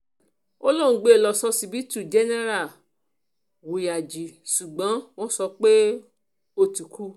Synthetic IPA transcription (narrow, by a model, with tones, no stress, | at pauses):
o˦lõ˦˨˧ɡ͡be˦e˨lɔ˧sɔ˧si˧bi˦tu˦˨d͡ʒɛ˦nɛ˦ɾa˦˨ | wu˨ja˨d͡ʒi˨ʃu˨ɡ͡bɔ̃˨˦w̃ɔ̃˦sɔ˧k͡pe˦ | o˧tu˨ku˦